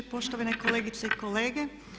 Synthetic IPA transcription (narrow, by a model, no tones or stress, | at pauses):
poʃt̪oʋanekoleːɡit̪seikoleːɡe